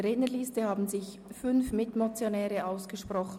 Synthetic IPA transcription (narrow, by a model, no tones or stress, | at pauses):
ɾɛːnəliːstəhaːbn̩zɪç | fʏnfmɪtmot͡sjonɛːɾəʔaʊsɡ̥əʃprɔχ